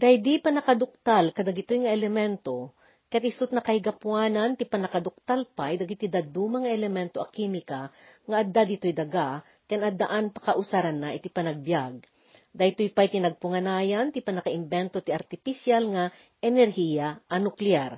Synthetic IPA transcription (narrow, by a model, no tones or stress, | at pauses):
d̪ajd̪ipɐnɐkad̪ʊk̚t̪alkɐd̪aɡɪt̪ojŋɐɛlɛmɛnt̪o̞ | kɐat̪ɪsʊt̪̚nɐkɐhɪɡɐpwaːnɐnt̪ɪpɐnɐkad̪ʊk̚t̪alpajd̪ɐɡɪt̪id̪ad̪uːmɐŋɐʔɛlɛmɛnt̪oʔɐkimɪkaŋɐʔɐd̪ad̪it̪ojd̪ɐɡa | kɐnʔɐd̪aʔanpɐ̥kaʔʊsaɾanːaʔɪt̪ipɐnɐɡ̚bjaɡ̚ | d̪ajt̪ojpajt̪ɪnɐɡ̚pʊŋɐnaːjant̪ɪpɐnɐkaʔɪmbɛnt̪ot̪iʔɐɾt̪ɪfisjalŋa | ʔɛnɛɾhijaʔɐnʊklɪaɾ